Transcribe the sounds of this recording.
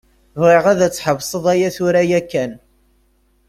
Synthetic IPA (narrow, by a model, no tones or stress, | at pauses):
vʁiʁæðæt͡sːħəvsˤəðˤæjæθʊɾæjækːæn